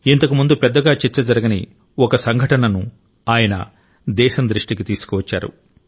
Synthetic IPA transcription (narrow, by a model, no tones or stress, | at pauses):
int̪ɐkumund̪upɛd̪ːɐɡaːt͡ʃɛt͡ʃːɐd͡ʒɐɾɐɡɐnḭ | ɔkɐsɐŋɡʱɐʈɐnɐnu | aːjɐnɐ̰ | d̪ɛːʃɐnd̪ɾiʂʈikit̪iːsu̥kɔʋɐt͡ʃːa̰ːɾṵ